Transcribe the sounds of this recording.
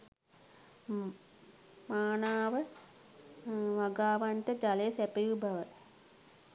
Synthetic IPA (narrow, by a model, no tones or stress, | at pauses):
maːnaːʋə | ʋaɡaːʋaɳʈəd͡ʒalejsɛpəjubʱaʋə